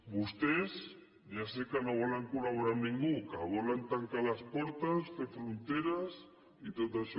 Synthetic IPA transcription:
bust̪ez | ʝasekanoβolaŋkulaβoɾaɾnĩŋɡukaβolant̪aŋkalaspoɾt̪ast̪efɾunt̪eɾas | it̪ot̪aʃ

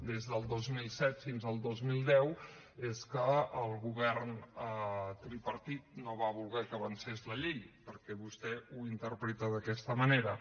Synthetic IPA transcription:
d̪ezðəlˠd̪ozmilˠsɛt̪finzəlˠd̪ozmilˠd̪ɛw | eskəːlˠɣuβɛɾnət̪ɾipəɾt̪it̪noβaβulˠɣɛkəβənsezləʎejpəɾkɛβust̪ɛuint̪əɾpɾet̪əðəkɛst̪əməneɾə

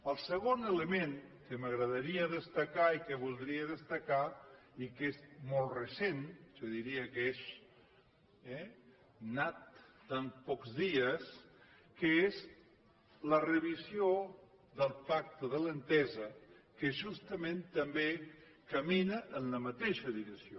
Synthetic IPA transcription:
əlˠsəɣonələmẽŋkəməɣɾəðəɾiəðəst̪əkaikəβulˠd̪ɾiəðəst̪əka | ikezmolˠrəsenʒoðiɾiəkes | ɛ | nat̪̚ | d̪ampɔkzðiəs | kəez | lərəβ̞izjo | ðəlˠpak̚t̪əðələnt̪ɛzəkəʒust̪əmẽnt̪əmbe | kəminəʔːnləmət̪eʃəðiɾəksio

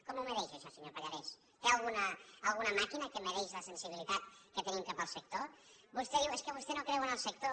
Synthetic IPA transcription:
kɔmuməɾɛʃəʃɔsəɲopaʎaɾes | t̪ealˠɣunəːlˠɣunəmakinəkəməɾɛʃləsənsiβilit̪at̪̚kət̪ənimkapəlˠsək̚t̪obust̪eðiweskəβ̞ust̪enokɾɛwənəlˠsək̚t̪o

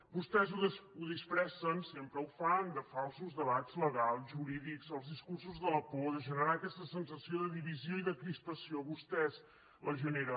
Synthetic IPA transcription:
bust̪ɛzuuðispɾɛsənsempɾəufəɾand̪əfalˠsuzðəβatz̥ləɣalˠʒuɾiðikzəlˠzðiskursuzðələpoðəʒənəɾakɛst̪əsənsəsioðəðiβizioiðəkɾispəsioβust̪ɛz | ləʒəneɾə

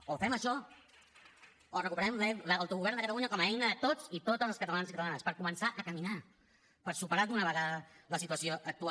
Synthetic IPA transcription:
ofɛməʃɔ | orəkupəɾɛmlɛləwt̪uɣuβɛɾnd̪əkət̪əluɲəkɔməɛjnəðət̪ot͡sit̪ot̪əzəlskət̪əlanzikət̪əlanəspəɾkumənsaʔəkəmina | pəɾsupəɾaðunəβəɣaðələsit̪uəsioʔək̚t̪ua

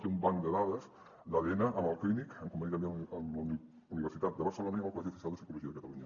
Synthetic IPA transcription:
kiumbaŋd̪eðaðez | d̪aðenaʔamalklinikaŋkoumbenit̪ameal | uniβeɾsit̪at̪̚d̪eβaɾselonajmolkolas̬iesensalˠd̪esikoloʒiɐðekat̪aluɲɐ

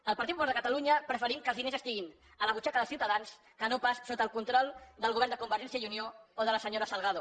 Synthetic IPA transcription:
əlˠpəɾt̪it̪puβalðəkət̪aluɲəpɾəfəɾimkəlˠzðinezəst̪iɣin | ələβut͡ʃakəðəlˠsiuwt̪əðans | kənopassot̪əːlˠkunt̪ɾɔlˠd̪əlˠɣuβɛɾnd̪əkumbəɾʒɛnsiəiuniooðələsəɲoɾəsəlˠɣaðo

